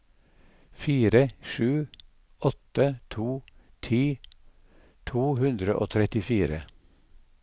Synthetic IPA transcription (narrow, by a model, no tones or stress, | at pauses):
fiːɾəʃʉː | ɔt̪ət̪ʰuː | t̪ʰiː | t̪ʰuːhʉnd̪ɾəʔo̰ːt̪ʰɾɛt̪ɪfiːɾə̰